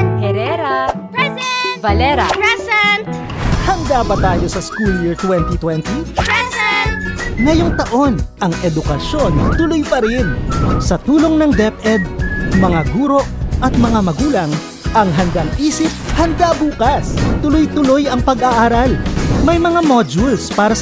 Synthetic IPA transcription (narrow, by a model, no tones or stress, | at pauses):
kɛɾɛɾɐ | bɐlɛɾɐɛs | hɐŋɡ̪abɐt̪aːjo̞sɐskuljɪɹt̪wɛnt̪it̪wɛnt̪i | ŋɐjo̞ŋt̪ɐʔo̞nʔɐŋʔɛd̪ʊkɐʃo̞nt̪ʊlojpɐɾɪnsɐt̪uːlo̞ŋnɐŋd̪ɛpʔɛd̪̚mɐŋaɡuːɾo̞ʔʔɐt̪̚mɐŋamɐɡuːlɐŋ | ʔɐŋɦɐnd̪aŋʔiːsɪp̚hɐnd̪abuːkɐst̪ʊlojt̪ʊlo̞jɐŋpɐɡaʔaːɾɐlmɐjmɐŋamod͡ʒulspaːɾɐ